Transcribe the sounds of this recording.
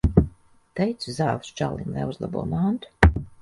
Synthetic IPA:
t̪ejt̪suzaːvst͡ʃa̰lˠḭnlʲˠa̰juzlˠa̰bṵɔmaːnt̪u̥

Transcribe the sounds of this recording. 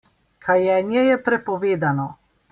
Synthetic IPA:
kʰajɛːnjɛjɛpɾɛpɔʋeːd̪anɔ

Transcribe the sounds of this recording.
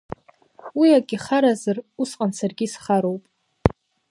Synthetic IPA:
wiaɡʲʼɪχaɾazarusqʼansarɡʲisχaɾowpʼ

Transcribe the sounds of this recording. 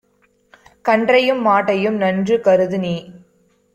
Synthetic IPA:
kɐɳɖrɐjɯmːaːʈːɐjɯmnɐndrɯkɐɾɯðɯni

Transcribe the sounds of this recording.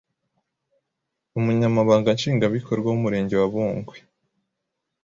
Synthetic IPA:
umuɲamaβaːŋɡanʃiːŋɡaβikʰo̞ɾɡwaumuɾe̞ːɲɟe̞waβuːŋɡwe̥

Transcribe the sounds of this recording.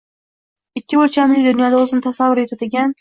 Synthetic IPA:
ɪkʲːɪboɾt͡ʃʰamlɪkʲd̪ʊnjɒd̪aozɪnɪt̪ʰasavʊɾet̪ʰʊt̪ɪɡʲan

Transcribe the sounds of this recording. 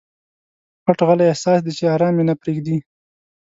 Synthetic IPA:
xaʈɣalajahsɑsd̪it͡ʃeɑɾɑmjenapɾeɡd̪i

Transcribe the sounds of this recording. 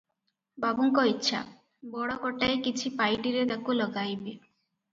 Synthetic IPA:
babuŋkɔitːʃʰa̰ | bɔɽɔkɔʈajkit͡ʃʰipajɖiɾed̪akolɔɡajbe

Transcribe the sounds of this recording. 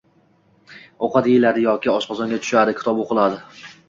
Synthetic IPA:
oqɑt̪jelaɾɪjɒkʲɪɒʃqɒzɒŋɡʲat̪ʰʊ̥ʃad̪ɪkʲʰɪt̪ʰɒboqʰɨlˠad̪ɪ

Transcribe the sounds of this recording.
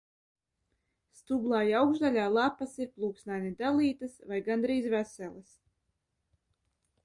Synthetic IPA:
st̪ublˠaːjawɡʒd̪alʲaːlˠapasiɾplˠuːksnajnid̪alˠiːt̪ɨsvajɡand̪ɾiːzvæsɛlˠɨs

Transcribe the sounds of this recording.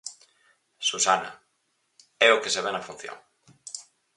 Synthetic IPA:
susana̰ | ɛokeseβenafun̟θjo̰ŋ

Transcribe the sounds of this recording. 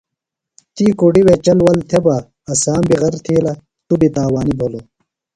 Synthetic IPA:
t̪iːkuɖiwet͡ɕɐlwɐlt̪ʰeba | ɐsaːmbiɣɐɾt̪ʰeːlɐ | t̪ubit̪aːwaːnibʱolo

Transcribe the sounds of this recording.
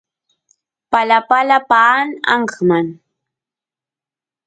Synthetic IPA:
palapalapaːnɑ̰ɴɢman

